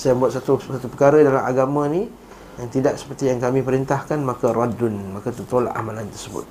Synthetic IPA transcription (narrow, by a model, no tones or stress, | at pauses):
sajambuat̪sat̪usat̪upəkaɾədalamʔaɡamãni | jaŋt̪idaʔsə̥pərt̪ijaŋkamĩpəɾint̪ahkanmakaɾadʊnmakat̪ət̪ola̰ʔa̰malant̪ərsəbʊ̰t̪̚